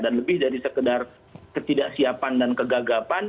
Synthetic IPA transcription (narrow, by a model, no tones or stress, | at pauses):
danləbɪhdaɾisəkədar | kət̪idaʔsiapandankəɡaɡapan